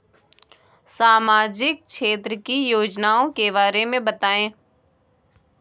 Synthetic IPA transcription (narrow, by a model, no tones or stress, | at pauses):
saːmaːd͡ʒɪk̚ʃeːt̪ɾəkijoːd͡ʒnaːõkebaːɾemẽbɐt̪aːẽː